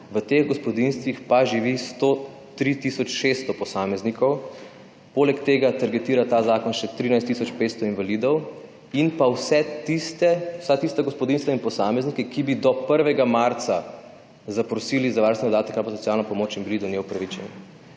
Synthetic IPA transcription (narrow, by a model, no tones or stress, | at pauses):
ʋət̪eɣɡɔspɔd̪inst̪ʋixpaʒiʋist̪o | t̪ɾit̪isɔt͡ʃʃest̪ɔpɔsaːmɛznikɔw | poːlɛkt̪eːɡat̪aɾɡɛt̪iːɾat̪azaːkɔnʃɛt̪ɾiːnajst̪ːisɔt͡ʃpet̪st̪ɔinʋalid̪ɔw | inpawsɛt̪ist̪ɛwsat̪ist̪aɡɔspɔd̪inst̪ʋainpɔsaːmɛznikɛkibid̪ɔpəɾʋɛɡamaɾt̪sa | zapɾɔsiːlizaʋaɾnst̪ɛɔd̪aːt̪ɛkabɔsɔt̪t͡s̪ijaːlnapɔmoːt͡ʃinbilid̪ɔnjewpɾaʋit͡ʃɛni